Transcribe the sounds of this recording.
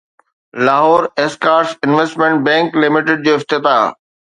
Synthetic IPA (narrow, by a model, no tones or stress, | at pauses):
laːɦɔːɾeːskaːɾsɪnʋesʈmẽɳʈ̚bɛ̃ːŋklɪmɪʈeɖ̚d͡ʑoːɪft̪ɪt̪aa̰ː